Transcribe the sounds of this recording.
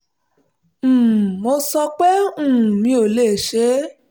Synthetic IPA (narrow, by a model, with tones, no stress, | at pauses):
m̩ː˦˨mo˧sɔ˧k͡pɛ˦ũ˦˨ũ˨mĩ˧˦o˨le˦˨ʃe˨˦